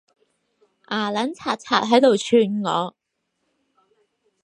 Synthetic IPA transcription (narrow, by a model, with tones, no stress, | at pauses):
ʔaː˨˩lɐ˨˥nt͡sʰaː˨˩t̚t͡sʰaː˨˩t̚ɦɐ˨˥jt̪o˨wt͡ʃʰyː˧nŋɔː˨˥